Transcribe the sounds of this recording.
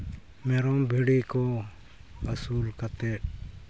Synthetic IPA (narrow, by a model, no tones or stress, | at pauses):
meːɾõːbʱiːɽiːkoː | ɦəsuːlkət̪eː